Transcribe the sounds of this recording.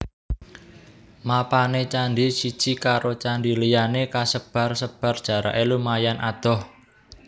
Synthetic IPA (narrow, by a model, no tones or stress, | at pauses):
mapanet͡ʃanɖisid̥t͡ʃikaɾot͡ʃandilijanekasəb̥a̤rsəb̥a̤rd̥ʒ̥a̤ɾa̰ʔelumajanʔad̪̥ɔ̤h